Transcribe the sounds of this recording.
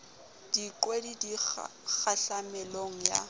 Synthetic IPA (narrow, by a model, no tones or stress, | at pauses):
d̥ikʼwedidi | k͡xʰaɬamɛloŋ̩ja̰